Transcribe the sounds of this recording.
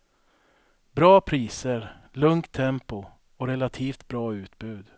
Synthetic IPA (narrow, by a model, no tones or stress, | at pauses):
bɾɑːpʰɾiːsəɾlɵŋt̪ʰːɛmpʊ | ɔɾɛlat̪ʰiːft̪bɾɑːʉ̟ːt̪̚bʉ̟ːd̪